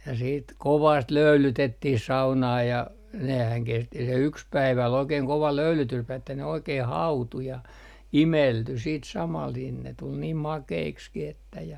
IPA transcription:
jɑ siːt koʋɑst løylytetːih sɑunɑː jɑ nehæn kesti se yks pæiʋæ ol oikeːŋ koʋɑ løylytyspæiʋ etːæ ne oikeːh hɑutu jɑ imelty siːt sɑmɑl nin ne tul niːm mɑkeikskih etːæ jɑ

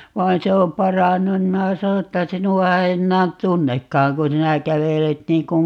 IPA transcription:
ʋɑin se om pɑrɑnːun nim minæ sɑno etːæ sinuɑ ei enːæːn tunːekːɑːŋ ku sinæ kæʋelet niːŋ ku

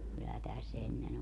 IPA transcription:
kylːæ tæs enːen

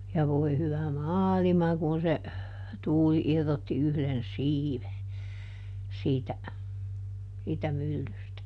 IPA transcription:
jɑ ʋoi̯ hyʋæ mɑːlimɑ kun̞ se tuːli irːotːi yhðen siːʋe siːtæ siːtæ mylːystæ

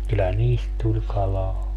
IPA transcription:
kylːæ niːst tulʲ kɑlɑː

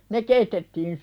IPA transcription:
ne keitetːiːn

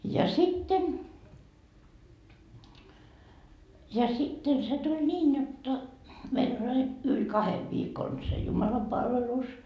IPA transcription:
jɑ sitːen jɑ sitːen se tʲul niːn jotːɑ meil olʲ ɑi yl kɑheʋ ʋiːkon se jumɑlɑpɑlʋelus

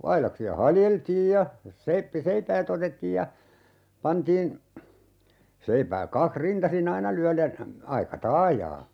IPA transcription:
ɑilɑksiɑ hɑljeltiːj jɑ seipːi seipæːt otetːiːj jɑ pɑntiːn seipæːk kɑkh rintɑsin ɑinɑ lyælen ɑikɑ tɑːjɑː

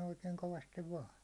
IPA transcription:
oikeiŋ koʋɑstiʋ ʋɑːn

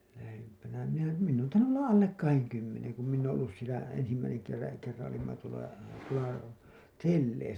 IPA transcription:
læhempænæ minæ minː oːn tɑinːu ʔolːɑ ʔɑlːek kɑheŋ kymːeneŋ ku minː oːõ olːus sielæ ensimːæiseŋ kerːɑ kerːɑ̃ː olimːɑ tuolɑ tuolɑ telːeisæ

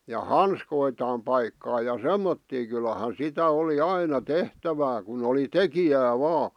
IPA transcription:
jɑ hɑnskoitɑːm pɑikːɑː jɑ semːotːiː kylɑhɑn̞ sitæ oli ɑinɑ tehtæʋæː kun oli tekijæː ʋɑː

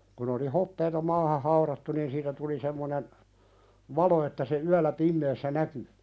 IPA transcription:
kun oli hopːeːtɑ mɑːhɑ hɑuɾɑtːu niːn siːtæ tuli semːonen ʋɑlo etːæ se yælˑæ pimːeːsːæ næky

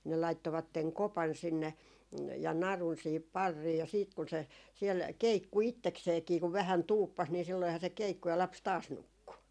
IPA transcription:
ne lɑitːoʋɑtːeŋ kopɑn sinːe jɑ nɑrun siːhip pɑrːiː jɑ siːt kun se siel keikːu itːekseːkiː ku ʋæhæn tuːpːɑs ni silːoihɑ se keikːu jɑ lɑps tɑːs nukːu

